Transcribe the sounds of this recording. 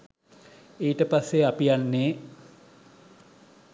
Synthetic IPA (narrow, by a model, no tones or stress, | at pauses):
eːʈəpasːeapijanːeː